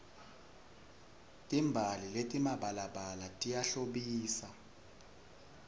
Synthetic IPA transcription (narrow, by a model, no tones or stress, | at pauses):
tʼimbʱaliletʼimaɓalaɓalatʼijaɬoɓiːsa